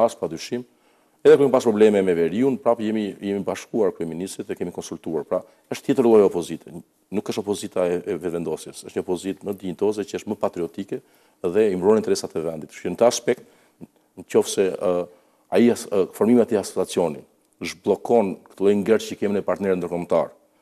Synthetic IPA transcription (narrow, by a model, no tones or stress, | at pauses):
paspɾad̪ɾyʃim | ɛðɛkuɾɛmpaspɾɔblɛmɛmɛvɛɾiunpɾapjɛmijɛmibaʃkuaɾkɾyɛminist̪ɾit̪ɛkɛmikɔnsult̪uaɾpɾa | əʃt̪t̪jɛt̪əɾlˠɔjɛɔpɔzit̪ʰɛ | nukːəʃt̪ɔpɔzit̪aɛɛvɛt̪vɛnd̪ɔsjɛsəʃɲɔpɔzit̪məd̪int̪ɔzɛt͡ʃəəʃt̪məpat̪ɾiɔt̪ikɛ | ðɛimbɾɔnint̪ɛɾɛsat̪ɛvɛnd̪it̪ʃint̪əaspɛk̚t̪ | ncɔfsɛ | aifɔɾmimiat̪iasɔ̥t͡sat͡sjɔni | əʃblˠɔkɔnkə̥t̪əlˠɛjŋɡɛɾt͡ʃəkɛminɛpaɾt̪nɛɾnd̪əɾkɔmt̪a̰ɾ